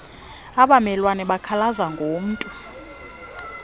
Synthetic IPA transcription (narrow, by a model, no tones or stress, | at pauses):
aɓamɛlwanɛɓakʰalazaŋɡʱom̩ːtʼu